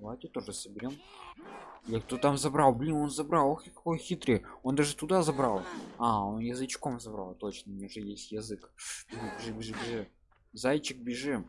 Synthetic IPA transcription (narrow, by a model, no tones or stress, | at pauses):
lˠat̪ʲɪt̪o̞ʐɨsəbʲɪɾʲom | jakt̪ot̪amzɐbɾalˠblʲinonzɐbɾalˠoxʲkɐ̥ko̞jxʲit̪ɾʲɪjəond̪aʐɨt̪ʊd̪azɐbɾalˠaonjɪzɨt͡ɕkomzɐbɾa̰lˠt̪o̞t͡ɕnənʲeʐɛjesʲtʲjɪzɨkbʲɪʐɨbʲɪʐɨbʲɪʐɨbʲɪʐɨ | zajt͡ɕɪk̚bʲɪʐɨm